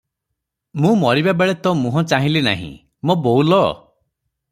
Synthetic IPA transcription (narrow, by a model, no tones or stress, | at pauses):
mũmɔɾibabeɭet̪ɔmũɦɔ̃t͡ʃaɦĩlina̰ɦḭ̃ | mobowlɔ